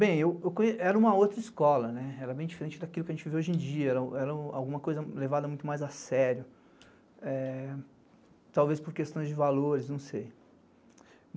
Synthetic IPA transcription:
bẽj̃ewewkõjeɛɾɐũmɐowt̪ɾɐiskɔlɐnɛɛɾɐbẽj̃d͡ʒifeɾẽt͡ʃɪd̪akilʊkɪɐʒẽt͡ʃɪveoʒẽd͡ʒiɐɛɾɐ̃ɛɾɐ̃a̰wɡũmɐkojzɐlevad̪ɐmũj̃t̪ʊmajzasɛɾjʊ | ɛ | t̪awvespoɾkest̪ɐ̃w̃zd͡ʒɪvaloɾɪznɐ̃w̃sej

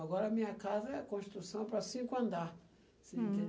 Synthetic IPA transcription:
aɡɔɾɐmĩɲɐkazɐɛkõʃi̥t̪ɾusɐ̃w̃pɾɐsĩkʊɐ̃nd̪a | sĩnt̪ẽ

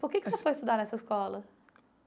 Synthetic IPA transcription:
pʊɾkekɪ̥ssefojist̪ud̪aɾnɛsɐiskɔlɐ

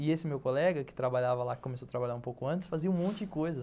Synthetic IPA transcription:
ɪesɪmewkolɛɡɐkɪ̥t̪ɾabaʎavɐlakɪ̥kõmesoat̪ɾabaʎaɾũpowkʊɐ̃t͡ʃɪsfaziɐ̃ũmõnt͡ʃɪd͡ʒɪkojzɐ

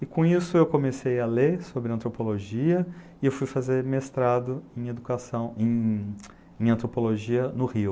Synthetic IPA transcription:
ɪkõisʊewkõmesejalesobɾɪɐ̃nt̪ɾopoloʒiɐ | ɪewfujfazeɾmest̪ɾad̪ʊẽj̃ed̪ukasɐ̃w̃ẽ | ẽɐ̃nt̪ɾopoloʒiɐnʊhiʊ

